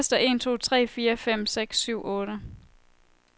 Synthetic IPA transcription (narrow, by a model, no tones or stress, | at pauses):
sd̥ɐʔe̝̰nt͡sʰo̝̰ːt͡sʰʁɛ̰ːfiːɐfem̰seɡ̥syʊ̰ʔɔːɾə